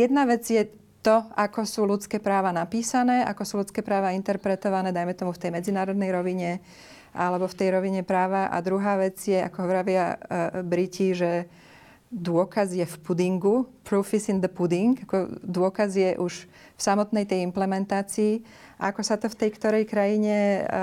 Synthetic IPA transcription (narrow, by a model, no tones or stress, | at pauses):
jɛd̪naʋɛd͡zjɛ | t̪ɔakɔsuːlut͡skɛːpɾaːʋanapiːsanɛːʔa̰kɔsuːlut͡skɛːpɾaːʋaint̪ɛɾpɾɛt̪ɔʋanɛːd̪ajmɛt̪ɔmuft̪ɛjmɛd͡zinaːɾɔd̪nɛjɾɔʋiɲɛ | ʔalɛbɔft̪ɛjɾɔʋiɲɛpɾaːʋaʔa̰d̪ɾuɦaːʋɛd͡zjɛa̰kɔɦɔʋɾaʋɪabɾiciʒɛ | d̪ʊɔkazjɛfpud̪iŋɡupɾuːfizind̪əpud̪iŋkakɔd̪ʊɔkazjɛʔuʃ | fsamɔt̪nɛjt̪ɛjimplɛmɛnt̪aːt͡siː | aakɔsat̪ɔft̪ɛjkt̪ɔɾɛjkɾajiɲɛ